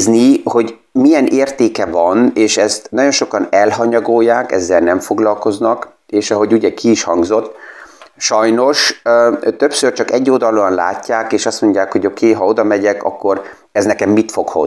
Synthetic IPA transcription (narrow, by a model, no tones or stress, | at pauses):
zniho̞ɟ | mijɛnʔeːrt̪eːkɛvɒneːʃɛst̪nɒɟo̞nʃo̞kɒnɛlɦɒɲɒɡojːaːkɛ̰zːɛlnɛɱfo̞ɡlɒlko̞znɒk | eːʃɒɦo̞ɟuɟɛkʰiːʃhɒŋɡzo̞t̪ː | ʃɒjno̞ʃ | t̪ø̞psørt͡ʃɒkɛɟːoːd̪ɒloɒnla̰ːcːaːkeːʃɒst̪mo̞ɲɟaːkho̞ɟo̞kʰeːɦɒod̪ɒmɛɟɛkɒ̰kːo̞ɾ | ɛznɛkɛmːit̪fo̞kho̰